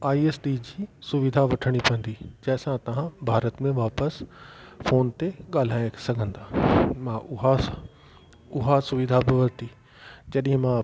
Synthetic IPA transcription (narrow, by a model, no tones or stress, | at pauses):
aːieːsʈid͡ʑiːsʊʋɪd̪ʱaʋɐʈʰəɽ̃ipɐ̃ə̃n̆d̪id͡ʑɐɦɪsãt̪ɐʋ̤ãbʱaːɾət̪mẽʋaːpəsfoːnt̪eɠaːl̤aːj̃sɐɡʱə̃nd̪aːmãʔʊɦa | ʊɦasʊʋɪd̪ʱabɪʋɐlt̪i | d͡ʑɐɗɦɪ̃mã